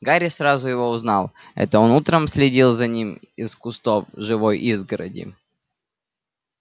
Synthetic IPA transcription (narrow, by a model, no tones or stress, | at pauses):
ɡaɾʲɪsɾazʊjɪvo̞ʊznɑlˠ | ɛ̰t̪əonut̪ɾəmsʲlʲɪdʲilˠzɐnʲimɪskʊst̪ovʐɨvojʔizɡəɾə̰dʲɪ̰